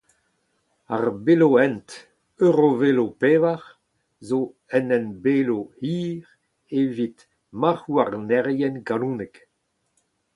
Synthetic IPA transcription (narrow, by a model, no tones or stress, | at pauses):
aʁbeloɛ̃nt | øʁovelopeːvaʁ | zo | ɛnɛnbeːloiːʁ | evit̪ | maʁuaʁnɛʁjɛnɡalũːnɛk